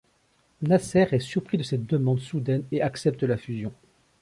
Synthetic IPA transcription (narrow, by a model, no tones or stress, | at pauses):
nasɛʁɛsyʁpχid̪əsɛt̪̚d̪əmɑ̃d̪sud̪ɛneaksɛp̚t̪əlafyzjɔ̃